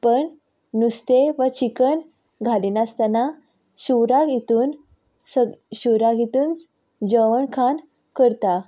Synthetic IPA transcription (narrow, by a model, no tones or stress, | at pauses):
pəɳ | nust̪eʋət͡ɕikəɳ | ɡʱaliːnast̪ana | ɕuɾaɡit̪uːn | səɕuɾaɡʱit̪uːn | d͡ʑəʋəɳkʰan | kəɾt̪a